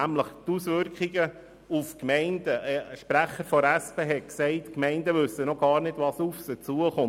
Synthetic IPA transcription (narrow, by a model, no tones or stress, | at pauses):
æmləχt̪usʋʏɾkχiɡə | ufkmɛɪnd̥əʃpɾæχəɾfɔɾæspeːɦɛksɛɪtkmɛɪndəʋʏsːənɔɡ̥ɑːɾnɪd̥ʋɑsufsət͡suəχʊ